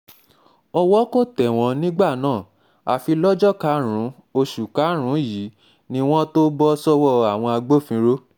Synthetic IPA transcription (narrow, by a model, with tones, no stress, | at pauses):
ɔ˧wɔ˦ko˦˨tɛ˨w̃ɔ̃˨˦nĩ˦ɡ͡ba˦˨nãː˦˨ | a˨fi˧lɔ˦d͡ʒɔ˦ka˨˦ɾ̃ũ˨˦ | o˧ʃu˨ka˨˦ɾ̃ũ˨˦ji˨˦ | nĩ˧˦w̃ɔ̃˦to˦bɔ˦sɔ˦wɔ˦˨a˨w̃ɔ̃˧a˧ɡ͡bo˦˨fĩ˧˦ɾo˦